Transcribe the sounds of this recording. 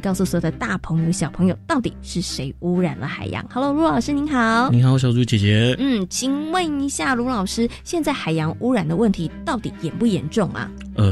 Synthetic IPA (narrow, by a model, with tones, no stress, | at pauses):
kɑ˥˧ʊsu˥˩swɔ˧˥jd̪ə˦t̪a˥˩pʰɤ˧˥ŋjo˨˧ə˧˩ɕjɑ˨˩ʊpʰɤ˧˥ŋjo˨˩ʊt̪ɑ˥˩ʊt̪ḭ˨˩ʂɻ̩˥˩ʂe˧˥ɪu˥ɻa˨˩nlə̰˦xa̰˨˩ɪjɑ̰˧˥ŋxɑ˧˥lo˧ʊlu˧˥lɑ˨˩ʊʂɻ̩˥ni˧˥nxɑ˨˧˦ʊni˧˥ŋxɑ˨˧˦ʊɕ̬jɑ˨˩ʊʈ͡ʂu˥˩t͡ɕjɛ˨˩t͡ɕjɛ˧˥n̩˥˩t͡ɕʰi˨˩ŋwə˥˩ni˧˥ɕja˥˩ɻu˧˥lɑ˨˩ʊʂɻ̩˥ɕjɛ˥˧nt͡sa˥˩ɪxa˨˩ɪjɑ˧˥˦ŋʔu˥ɻa˨˩nd̪ə˦wə˥˩nt̪ʰi˧˥t̪ɑ˥˩ʊt̪ḭ˨˩jɛ˨˩npu˥˩jɛ˧˥nʈ͡ʂʊ˥˩ŋʔɐ̰˨˩ | ə˨˩